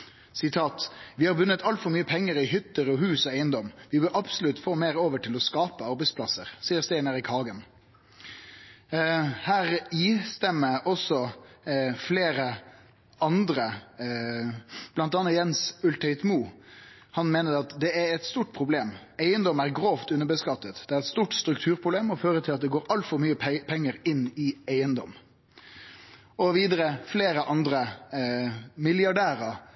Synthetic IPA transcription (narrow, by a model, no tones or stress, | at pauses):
sɪt̪ʰɑːt̪ʋɪhɑɾbʉnːət̪ʰɑlt̪fɔɾmyːəpʰɛŋːəɾɪɦʏt̪ːəɾɔɦʉːsɔæɪənd̪ɔmːʋɪbøːɑbsʊlʉt̪foːmeːɾoːʋəʈʰɪlɔskɑːpəɑɾbɛɪspʰlɑsə̰ɾsiːəɾst̪æɪnəɾɪkʰɑːɡən | hæːɾist̪ɛmːəʔɔsɔ | fleːɾə | ɑnd̪ɾə | b̥lɑnt̪ɑːnːɑjɛnsʉlt̪ʰœʏt̪muː | hɑnmeːnəd̪ɛɑt̪d̪ɛæɾɛt̪st̪uːʈ̚pʰɾʊbleːmæɪənd̪ɔmæɾɡɾoːft̪ʉnəbəskɑt̪ːət̪d̪̥ɛæɾɛt̪st̪uːʈst̪ɾʉkt̪ʰʉːɾpʰʊbleːmɔføːɾət̪ʰɪlɑt̪̚d̪ɛɡoːɾɑlt̪fɔɾmyːəppʰɛŋːəɾɪnːɪæɪənd̪ɔ̰m | ɔʋiːd̪əɾəfleːɾəʔɑnd̪ɾə | mɪljɑɖæːɾə